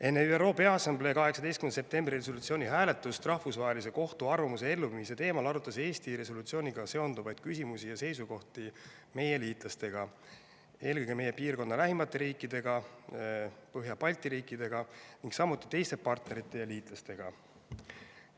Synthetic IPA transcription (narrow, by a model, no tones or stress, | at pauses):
enːeyero̞ːpeɑsɑmble̞kɑɦe̞ksɑd̪e̞jst̪kymnsep̚t̪e̞mbriresolut̪sio̞ːnʲiɦæːle̞t̪ːˑust̪rɑhfusvɑɦelis̬e̞ko̞ht̪uɑrvɑmus̬e̞e̞lːuvimiset̪e̞ːmɑlɑɾut̪ːˑɑse̞ːst̪iɾe̞so̞lut̪sio̞ːnʲiɡ̥ɑse̞o̞nd̪̥uvɑjd̪̥̚kys̬ʲimusijɑse̞jsuko̞ht̪i | me̞je̞liːt̪ˑlɑst̪e̞ɡ̥ɑ | e̞ːlkɤjɡ̥eme̞je̞piːrko̞nːɑlæɦimɑt̪ːˑe̞ɾiːkːˑid̪e̞ɡ̥ɑ | pɤɦjɑpɑlʲt̪ˑiɾiːkːˑid̪̥e̞ɡ̥ɑniŋɡsɑmːut̪ːˑi̥t̪e̞jst̪e̞pɑrt̪ne̞ɾit̪ːˑe̞jɑliːt̪ˑlɑst̪e̞ɡ̥ɑ